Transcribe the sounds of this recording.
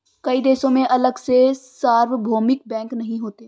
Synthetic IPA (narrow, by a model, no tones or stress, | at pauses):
kɐid̪eːsõmẽʔɐləɡsesaːɾʋbʱoːmɪk̚bɛ̃ːŋknɐɦĩɦoːt̪eː